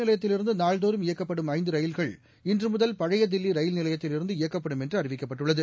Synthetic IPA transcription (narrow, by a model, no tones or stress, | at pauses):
nɪlɐjɐt̪ːɪlɪɾɯnd̪ɯnaːɭd̪oːɾɯmɪjɐkːɐpːɐɽɯmɐɪnd̪ɯɾɐjɪlɣɐɭ | ɪndrɯmʊðɐlpɐɻɐjɐd̪ɪlːiɾɐjɪlnɪlɐjɐt̪ːɪlɪɾɯnd̪ɯɪjɐkːɐpːɐɽɯmɛndrɯɐrɪʋɪkːɐpːɐʈːɯɭːɐðɯ